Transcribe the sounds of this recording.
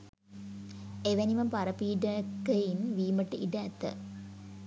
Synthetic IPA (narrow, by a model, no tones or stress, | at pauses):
eʋɐniʋɐmpɐɾɐpiːɖɐkɐjinʋiːmɐʈːɨʔiɖɐːt̪ːɐ̰